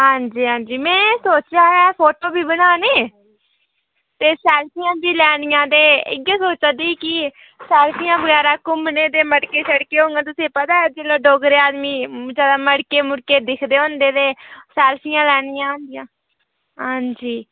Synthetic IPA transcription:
ɦãːɲd͡ʒiːɦãːnd͡ʒiːmɛ̃ːsoːt͡ʃjaːɦãpʰoːʈoːbiːbənaːneː | t̪eːsɛːlpʰijãːd͡ʒiːlɛːɽijãːd̪eːɪ̰ɡaːsoːt͡ʃãd̪iːkɪ | sɛːlpʰijãːbəɡɛːɾaːkʊmneːd̪eːməɽkeːsəɽkeːɦõːŋɡãːt̪̬ʊsẽːpəd̪aːɛd͡ʒeːlaːɖoːɡɾeːaːd̪miːd͡ʒaːd̪aːməɽkeːmʊɽkeːd̪ɪkʰd̪eːɦõːnd̪eːd̪eːsɛːlpʰijãːlɛːɽ̃ijãːɦõnd̪ɪjãː | ɦãːɲd͡ʒiː

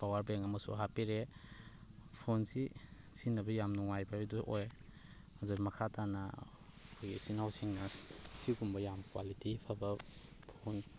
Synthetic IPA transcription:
pawaɾbeŋɐmɐsṵɦapiɾe | pʰonsi | sinɐbɐjamnuŋajbaiduʔoj | ɐduɾmɐkʰatʰana | kʰujɡisinawsiŋnassikumbɐjamkwa̰litipʰabɐ | pʰon

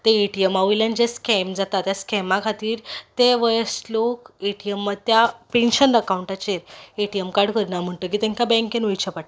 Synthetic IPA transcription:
t̪eeʈijemaʋujljand͡ʑeskemd͡zat̪at̪jaskʰɛmãkʰat̪iːɾt̪eʋəjəslokeʈiemːad̪̚t̪japenɕənɖəkawɳʈat͡ɕeeʈijemkaɾɽkəɾnam̤əɳt̪ək̬iːt̪ɛ̃ŋkabɛ̃ŋkenʋəjt͡ɕʰəpaʈ

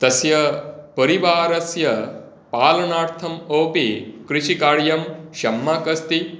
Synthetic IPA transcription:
t̪ɐsjɐpɐɾiʋaːɾɐsjɐ | paːlɐnaːɾt̪ʰɐmoːpikɾiʃikaːɭjɐmʃɐmːaːkɐst̪i

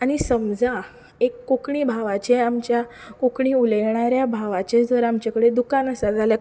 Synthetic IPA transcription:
aɽ̃isəmd͡za | ekːokɳiːbʱaʋat͡ɕeamt͡ɕjakokɳiuləjɳ̃aɾjabʱaʋat͡ɕed͡zəɾamt͡ɕakəɽed̪ukanəsad͡zalja

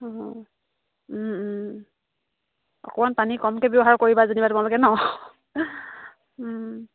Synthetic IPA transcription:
ɔ̰kɔmanpanikɔmkɛbeɔɦaɹkoɹibazanibatʊmalɔɡɛnɔ

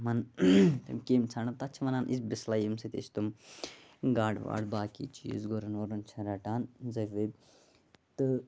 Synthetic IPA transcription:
mɐnt̪ɐmkeːmt͡sʰaɳɐt̪ɐt͡ʃʰmɐnaːnʔisbislaːjimsɐt̪ḛːt͡ʃʰt̪um | ɡaːɽʋa̰ːɽbaːkḭːt͡ʃʰḭzɡoɾɐnʋoɾɐnt͡ʃʰɐɾɐʈaːnzɐʋeb̚ | t̪ɨ

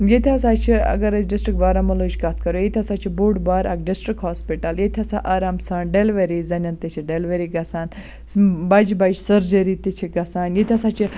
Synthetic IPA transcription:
jet̪ʰʲiaːsaːt͡ʃʰiɐ̰ɡɐɾɐzɖisʈɾik̚baːɾamɐlod͡ʒkat̪̚ʰkɐɾojet̪ʰʲasaːt͡ʃʰibuːɖbaːɾɐ̰kɖisʈɾikɦoːspiʈɐljet̪ʲʰɐsa̰ʔaːɾaːmsãːɳɖelʋɐɾizɐnʲɐnt̪it͡ʃʰiɖelʋɐɾiɡɐsaːn | bɐd͡ʒbɐd͡ʒsɐɾd͡ʒɐɾit̪it͡ʃʰiɡɐsaːnjet̪ʰʲiasaːt͡ʃʰi

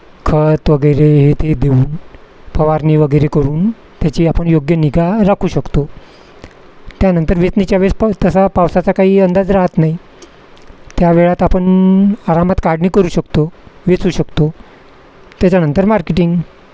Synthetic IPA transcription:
kʰət̪ʋəɡəjɾeɦet̪ʰed̪euːn | pʰəʋaɾniːʋəɡəjɾekəɾuːn | t̪jat͡ɕiːapəɳjoɡjəniɡaɾakʰuːɕəkt̪o | t̪janənt̪əɾʋet͡snit͡ɕjaʋed͡zt̪əsapaʋsat͡sakaɦiːənd̪ad͡zɾaɦət̪naɦi | t̪jaʋeɭat̪apəɳaɾamat̪kaɽniːkəɾuːɕəkt̪oʋet͡suːɕəkt̪o | t̪jat͡ɕanənt̪əɾmaɾkeʈiŋɡ

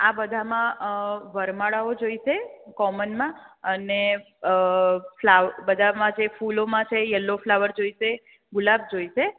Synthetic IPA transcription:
abəd̪ʱamãʋəɾmaɭaod͡ʒoiʃekɔmənmãəne | flaʋəbəd̪ʱamãd͡ʒefulomãt͡ʃʰejəlːoflaʋəɾd͡ʒoiʃe | ɡʊlab̚d͡ʒoiʃe

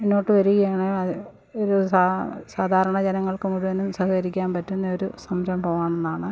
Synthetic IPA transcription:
enːo̞ːʈːɨʋɐɾuɣɐjaːɳɨ | oɾuasaːd̪ʱaːɾɐɳɐd͡ʑenɐŋːɐɭkɨmuɽuʋɐnːumsɐɦɐkɐɾikʲːaːnpɐtːunːɐo̞ɾusɐmɾɐmpoːʋaːɳenːaːɳɨ

